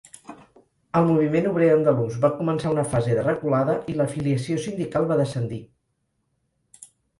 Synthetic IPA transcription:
əlˠmuβ̞imenuβɾeənd̪əluzβakumənsaunəfazeðərəkulaðəʔiləfiliəsiosind̪ikalˠβaðəsənd̪i

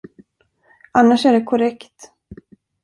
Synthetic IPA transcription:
ʔanːaʂæɖɛkʰɔɾɛkt̪

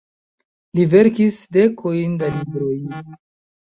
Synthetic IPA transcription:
live̞ɾkisde̞kʰo̞jndalibɾo̞j

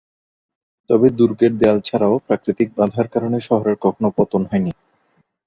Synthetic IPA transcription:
t̪ɔbed̪uɾɡeɾ̚d̪ealt͡ɕʰaɾaopɾakɾit̪ik̚bãd̪ʱaɾkaɾoneʃɔɦoɾeɾkɔkʰonopɔt̪onɦɔeni

